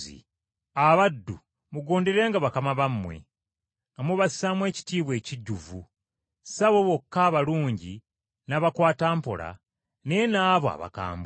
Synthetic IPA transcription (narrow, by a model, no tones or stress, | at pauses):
ḭ | aβadːṵ | muɡo̞ːnde̞ɾe̞ːŋɡaβakamaβamːwe̞̰ | amuβasi̥samwe̞ːci̥tiːβwe̞ːciɟːuvu | saβoβo̞kːaːβaluːɲɟi | naβakwaːtaːmpo̞̰la̰ | ne̞naːβoa̰βa̰ka̰ːmb